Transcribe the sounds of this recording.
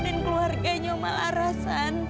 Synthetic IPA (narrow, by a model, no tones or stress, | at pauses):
nɛnkluarɡaɲoma̰laɾasan